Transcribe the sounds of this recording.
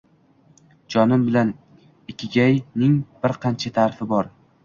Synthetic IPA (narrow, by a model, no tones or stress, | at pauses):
d͡ʒɒnɪmbɪlan | ɪkʲʰːɪɡʲajnɪŋb̥ɪɾqʰɑnt͡ʃʰat̪ʰaɾfɪbɒɾ